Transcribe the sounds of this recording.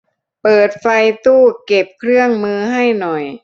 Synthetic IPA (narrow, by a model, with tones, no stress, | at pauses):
pɤː˨˩t̪̚fa˧jt̪uː˥˩ke˨˩p̚kʰɾɯ˥˩əŋmɯː˧ɦa˥˩jnɔ˨˩j